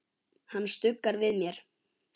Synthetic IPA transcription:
hanːst̪ʏkːaɾvɪðmjɛɾ̥

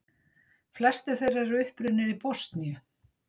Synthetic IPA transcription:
flɛst̪ɪθejrːaɾʏhpɾʏnːɪɾipɔst̪njʏ

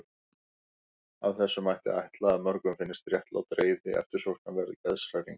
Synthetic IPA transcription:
avθɛsːʏmajht̪ɪ̰a̰jht̪laaðmœɾkʏmfɪnːɪst̪rjɛht̪la̰wt̪ɾeːjðɪɛ̰ft̪ɪɾ̥sowrt̪navɛɾðcɛðsɾajɾiŋk

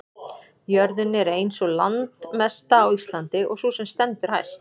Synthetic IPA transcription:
jœɾðɪnːɪɛɾejnsɔɣla̰nt̪mɛst̪aːwist̪lant̪ɪʔɔ̰ɣsuːsɛmst̪ɛnt̪ʏɾ̥ha̰jst̪

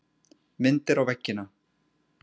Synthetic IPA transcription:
mɪnt̪ɪɾawvɛcːɪna

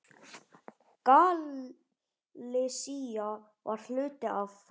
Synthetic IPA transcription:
kal | ɪsia | var̥l̥ʏːt̪ɪʔav

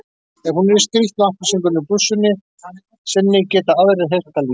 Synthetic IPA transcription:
ɛɣhunɛɾɪst̪ɾiht̪nahpasiŋkʏnːʏpusːʏnːɪ | sɛnːɪcɛːt̪aaðɾɪɦejr̥t̪aliː

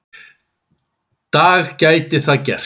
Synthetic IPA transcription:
t̪aːɣcaːjt̪ɪθaðcɛ̰r̥

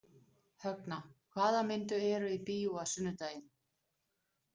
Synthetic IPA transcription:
hœknakʰvaːðamɪnt̪ʏɛɾʏipiːuasʏnːʏt̪aːjɪn

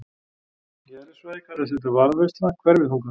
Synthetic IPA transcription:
jɛɛɾɪsɔejkat̪ɛs̬ɛt̪ʏvaɾvest̪nakʰvɛɾvɪðhuŋkḁ

